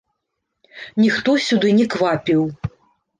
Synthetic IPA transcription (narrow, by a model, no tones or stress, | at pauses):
nʲixt̪ɔsʲud̪ɨnʲɛkvapʲiw